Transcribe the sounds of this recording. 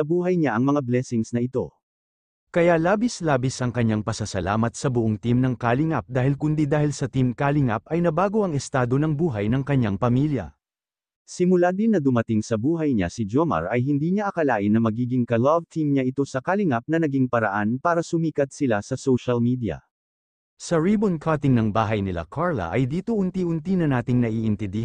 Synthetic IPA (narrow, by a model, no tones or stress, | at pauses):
sɐbuːɦɐjɲaʔɐŋmɐŋablɛsɪŋsnɐʔɪt̪o̞̰ | kɐjalaːbɪslaːbɪsɐŋkɐɲːaŋpɐsɐsɐla̰ːmɐt̪̚sɐbʊʔoŋt̪imnɐŋkaːlɪŋap̚d̪aːhɪlkʊnd̪id̪aːhɪlsɐt̪imkaːlɪŋap̚ɐjnɐbaːɡo̞ʔɐŋɛst̪aːd̪o̞nɐŋbuːɦɐjnɐŋkɐɲːaŋpɐmiljɐ̰ | sɪmʊlad̪ɪnːɐd̪ʊmɐt̪ɪŋsɐbuːɦɐjɲa̰sɪd͡ʒomɐ̰ɹɐjɦɪnd̪iːɲaʔɐkɐlaːʔɪnːɐmɐɡiːɡɪŋkɐlavt̪ʰimɲaʔɪt̪o̞sɐkalɪŋap̚nɐnɐɡiŋpɐɾɐ̰ʔanpaːɾɐsʊmiːkɐt̪̚sɪlasɐsowʃɐlmid̪ijɐ̰ | sɐɹibonkʰat̪ɪŋnɐŋbaːɦɐjnɪla̰kʰaɹlɐ̰ʔɐjd̪iːt̪o̞ʔʊnt̪iʔʊnt̪inɐnaːt̪ɪŋnɐʔiːʔɪnt̪ɛnd̪ɪh